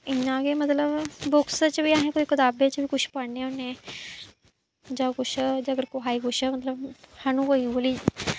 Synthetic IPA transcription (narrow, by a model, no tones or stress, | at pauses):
ɪnãːɡemət̪ləbboksət͡ʃəbʱiːaːɦẽkoːikɪt̪aːbet͡ʃəbʱiːkʊt͡ʃʰpəɽneonẽː | d͡ʒãːɡʊʃʰəd͡ʒəɡəɾkoɦaːiɡʊʃəmət̪ləbhanũkoiʋəli